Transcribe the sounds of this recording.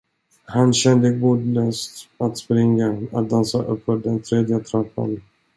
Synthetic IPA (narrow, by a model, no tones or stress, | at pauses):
hanɕɛnd̪əɡuːd̪løːst̪at̪spɾɪŋːaat̪̚d̪ansaʔɵpːfœɖɛnt̪ʰɾeːd̪jət̪ʰɾapːə̰n